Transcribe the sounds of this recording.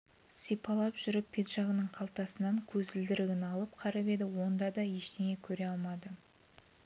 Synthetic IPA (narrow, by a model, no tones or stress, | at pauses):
sijpʰɑlˠɑpʒ̥ʏɾɪpʲʰːe̞t̪ʒɑʁənəɴqʰɑlˠt̪ɑsənɑŋkʲʰɵzɪld̪ɪɾɪɡʲɪnɑlˠəp̚qʰɑɾɑpe̞d̪ɪwo̞nd̪ɑd̪ɑje̞ʃt̪eŋe̞kʲʰɵɾe̞ɑlˠmɑd̪ə